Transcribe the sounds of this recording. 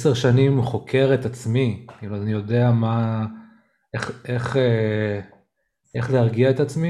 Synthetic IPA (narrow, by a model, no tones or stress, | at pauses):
seʁʃanimχo̞kʰe̞ʁet̪at͡smikiluazanijo̞d̪e̞ama | eχeχe | eχlehaʁɡiaet̪at͡smi